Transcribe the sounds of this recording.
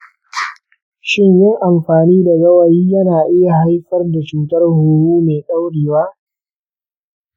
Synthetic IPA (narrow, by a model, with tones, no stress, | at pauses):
ʃɪ˦ɲjɪ˦ŋʔa˨mɸaː˨niː˦da˨ɡɐ˦wa˨jiː˦jɐ˦naː˨ʔɪ˦ja˨ha˦jɸɐ˦rda˨t͡ʃuː˨tɐ˦rhuː˨wuː˦meː˨kʼa˦wɽiː˨waː˦